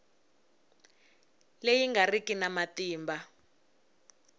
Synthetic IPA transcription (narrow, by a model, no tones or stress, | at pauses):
lejiŋɡarikinamatiːmba